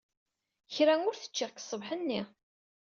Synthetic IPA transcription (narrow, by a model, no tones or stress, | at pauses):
çɾæŋʊɾθə̥t͡ʃːiʁksˤːəvħənːi